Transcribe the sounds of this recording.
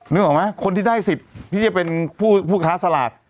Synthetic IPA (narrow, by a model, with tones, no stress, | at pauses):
nɯ˥˩ɐ˩ma˦˥kʰo˧nt̪ʰiː˥˩aː˥˩jsi˨˩t̪̚t̪ʰːiː˥˩t͡ɕa˨˩pe˧npʰuː˥˩pʰuː˥˩kʰaː˦˥sa˧la̰ː˨˩t̪̚